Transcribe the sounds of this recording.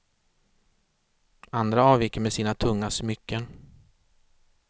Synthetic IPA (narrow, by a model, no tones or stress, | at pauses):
and̪ɾaɑːvjɪkːəmɛsiːnat̪ʰɵŋːasmʏkːən